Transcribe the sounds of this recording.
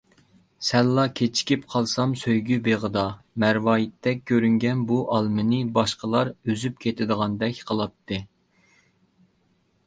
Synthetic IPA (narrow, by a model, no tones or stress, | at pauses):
sɛlːɑkʲʰet͡ʃʰi̥kʲipqʰɑlˠsɑmsøjɡʲybeʁəd̪ɑ | mæɾwɑːjit̪ʰːɛk̚ʲkʲʰːøɾyŋɡʲɛnbuʔɑlˠmɨnɨbɑʃqəlˠɑɾøzyp̚kʲʰet̪ʰɪd̪əʁɑnd̪ɛkʲqʰəlˠɑt̪ʰːɨ